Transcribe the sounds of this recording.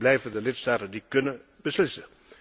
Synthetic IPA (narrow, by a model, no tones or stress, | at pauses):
lɛjvədəlɪtstaːtəndikɵnə | bəslɪsə